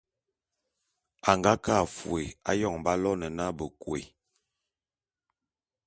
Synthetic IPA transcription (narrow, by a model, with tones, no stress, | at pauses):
a˨ŋɡa˦ka˦˨fw̰e˨a̰˦jɔ˦˨ŋmba˦lɔ˦nə˨na˦bə˨kwḛ˨